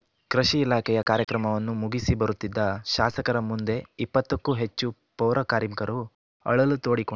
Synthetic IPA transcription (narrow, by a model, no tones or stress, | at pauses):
kɾɐʃiːlaːkɛjɐkaːɾjɐkɾɐmɐʋɐnːumuɡisibɐɾut̪ːid̪ːɐʃaːsɐkɐɾɐmund̪e̞ipːɐt̪ːɐkːuɦe̞t͡ʃːu | pɐwɾʔɐkaːɾimkɐɾu | ɐ̰ɭɐlut̪o̞ːɽiko